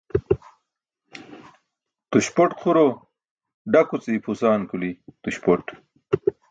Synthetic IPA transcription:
t̪uɕpoʈkʰuɾo | ɖɐkut͡seipʰusaːnkulit̪uɕpoʈ

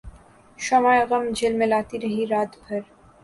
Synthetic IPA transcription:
ʃɐmaːɣɐmd͡ʒʱɪlmẽlaːt̪iɾɐɦiɾaːt̪bʱɐɾ

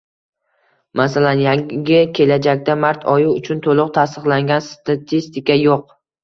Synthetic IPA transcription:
masalanjaŋʲɪkʲʰe̞lad͡ʒakʲd̪amaɾt̪ʰɒjʊʊt͡ʃʰʊnt̪ʰolˠɨq̚t̪ʰast̪ɨqlˠaŋɡʲanst̪ʰat̪ʰist̪ɪkʲajoq̚

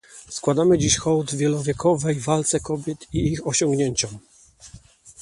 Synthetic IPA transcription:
skwad̪amɘd͡ʑiɕxɔwd̪vʲjɛlɔvʲjɛkʰɔvɛjvalt̪sɛkɔbʲjɛt̪iixɔɕɔŋɡɲeɲt͡ɕɔm

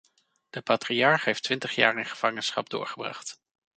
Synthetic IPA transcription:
d̥əpaːtriɑɹχɦejftʋɪntəχja̰ːrɪnχəv̥ɑŋənsχɑ̰b̚dʊ̰ːɹχəbrɑ̰χt

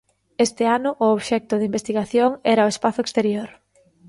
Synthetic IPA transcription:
est̪ɪanʊʔʊoβʃɛk̚t̪ʊðɪimbest̪iɣaθjoŋɛɾaoespaθʊekst̪eɾjoɾ

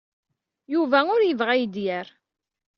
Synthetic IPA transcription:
juvæʊɾjəvʁajd̪jəɾ

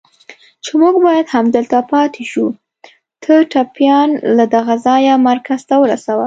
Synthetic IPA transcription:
t͡ʃemuɡbɑjad̪hamd̪əlt̪apɑt̪ʰeʃu | t̪ʰəʈapjɑnlad̪aɣazɑjamaɾkaz̥t̪awəɾasawə

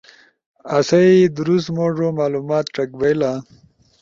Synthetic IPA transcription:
ɐsɐid̪uɾusmoʐomaːluːmaːt̪̚ʈ͡ʂɐkbejla

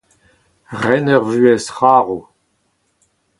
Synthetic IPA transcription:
ʁɛnœʁvyːɛsχaːʁu

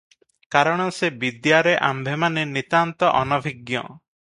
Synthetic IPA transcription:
kaɾɔɽ̃ɔsebid̪jaɾeʔambʱemanenit̪ant̪ɔʔɔnɔbʱiɡjɔ̰

